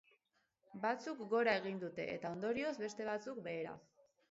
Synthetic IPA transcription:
bat͡sukɡo̞ɾae̞ɣ̞ind̪ut̪e̞̰ʔḛt̪ao̞nd̪o̞ɾio̞zβe̞st̪e̞β̞at͡suk̚be̞ːɾa̰

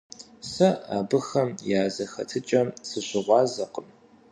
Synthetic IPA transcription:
sɐaːbɨxɐmjaːzɐxɐ̰tʰɨt͡ʃʼɐmsɨɕʷɪʁʷɑːzɐqʼəm

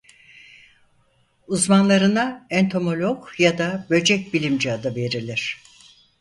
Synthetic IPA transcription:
uzmanlˠaɾɯnaɛnt̪ʰo̞mo̞lʲokjad̪abø̞d͡ʒɛc̚ʲbilʲimd͡ʒiad̪ave̞ɾilʲiɾ̝̥

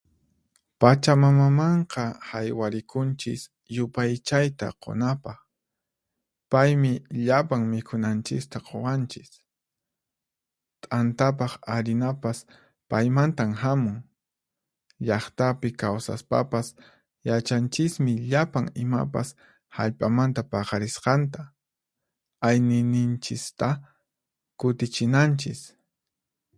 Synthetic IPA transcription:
pat͡ʃamamamɑɴqɑhajwaɾɪkʊnt͡ʃɪ̰s | jʊpajt͡ʃajt̪a̰qʰo̰napɑχ | pajmɪʎapaŋmɪkʰʊnant͡ʃɪst̪aqʰowant͡ʃɪs | t̪ʼant̪ap̬ɑχaɾɪnapas | pajmant̪amhamʊŋ | ʎɑχt̪apɪkawsa̰spa̰pas | jat͡ʃant͡ʃɪsmɪʎapaŋɪma̰pa̰s | ha̰ʎpʼamant̪apɑχɑɾɪsqɑnt̪a | ajnɪnɪnt͡ʃɪst̪a | kʊt̪ɪt͡ʃɪnant͡ʃɪs

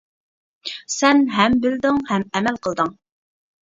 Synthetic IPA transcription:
sɛnɦɛmbɪld̪ɪŋhɛmɛmɛlqʰəlˠd̪ɨŋ

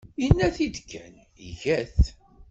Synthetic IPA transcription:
inːæθid̪kʰːæ̰n | ḭʝæθ

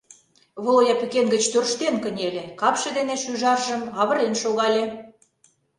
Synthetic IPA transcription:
βolojɑpykenɡə̆t͡ɕt̪ørʃt̪enkə̆nʲelʲĕkɑpʃĕd̪eneʃyʒɑrʒə̆mɑβə̆ɾenʃoɣɑlʲe

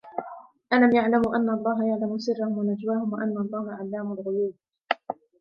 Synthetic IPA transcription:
ʔalamjaʕlamʔanːaʔlˤːɑːɦajaʕlamʊsɪrːahʊmwanad͡ʒwaːhʊmwaʔanːaɑlˤːɑːhaʕalːaːmʊlʕʊjuːd̪̚

